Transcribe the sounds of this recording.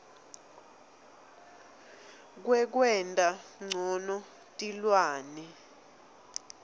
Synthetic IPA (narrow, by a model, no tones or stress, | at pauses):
k̬wɛk̬wɛntʼaŋ͡ǀʱɔnɔ | tʼilwaːnɛ